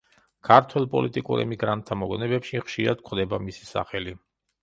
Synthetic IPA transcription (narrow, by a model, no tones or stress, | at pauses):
kʰaɾt̪ʰwɛlˠpʼɔ̰lit̪ʼikʼṵɾɛ̰miɡɾant̪ʰːamɔɡɔnɛbɛpʃiχʃiɾad̪̚kʰχd̪ɛbamisi̥sa̰χɛli